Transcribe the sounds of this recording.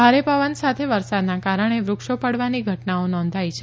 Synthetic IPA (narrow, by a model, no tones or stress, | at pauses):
aɾepəʋənsat̪ʰeʋəɾsad̪nakaɾəɳ̃eʋɾʊkʃopəɽʋaniɡʱəʈnaonɔ̃nd̪ʱajt͡ʃʰ